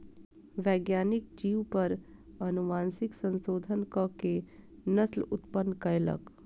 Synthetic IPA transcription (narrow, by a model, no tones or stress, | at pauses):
ʋɛːɡjaːnɪk̚d͡ʒiːʋpəɾɐnʊmaːnsɪksə̃nsoːd̪ʱənkəke | nəslʊt̪pənːkɐjlə̰k